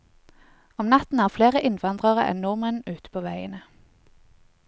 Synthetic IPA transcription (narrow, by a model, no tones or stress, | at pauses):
ɔmnɑt̪n̩æːʁfleːʁəʔɪnʋɑnd̪ʁəʁəʔɛ̰nuːmənʉːt̪ə̥pʰoːʋæɪə̰nə